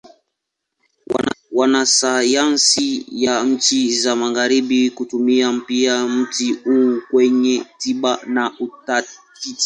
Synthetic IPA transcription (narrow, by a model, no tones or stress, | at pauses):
wanasajansijam̩t͡ʃizamaɣaɾiɓikutumiam̩piam̩tihukwɛɲɛtiɓanautatiti̥